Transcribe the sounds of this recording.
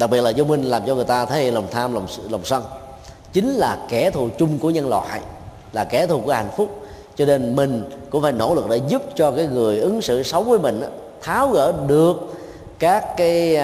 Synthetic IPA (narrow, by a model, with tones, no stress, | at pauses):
ɗa˨˩k̚ɓi˨˩ət̚laː˨˩zu˧ŋ͡mmï˧ŋlaː˨˩mt͡ɕɔ˧ŋɨ˨˩əjt̪aː˧t̪ʰə˨˦jlə˨˩wŋ͡mt̪ʰaː˧mlə˨˩wŋ͡mlə˨˩wŋ͡msə˧n | t͡ɕï˨˦ŋ̟laː˨˩kɛ˧˩t̪ʰu˨˩t͡ɕʊ˧ŋ͡mku˧˩əɲə˧nlwa̰˧˨j | laː˨˩kɛ˧˩˦t̪ʰu˨˩ku˧˩əha̰˧˨jŋ̟fʊ˦˥k͡p̚ | t͡ɕɔ˧ne˧nmï˨˩ŋ̟kʊ̰˧˥ŋ͡mfaː˧˩jno̰˧˥lɨ˨˩k̚ɗe˧˩zu˦˥p̚t͡ɕɔ˧kaː˨˦jŋɨ˨˩əjʔɨ˨˦ŋsɨ̰˧˨sə˨˦wvəː˨˦jmï˨˩ŋ̟ʔaː˨˦ | t̪ʰaː˨˦wɣə̰ː˧˩ɗɨ˨˩ək̚ | kaː˦˥kːaː˨˦j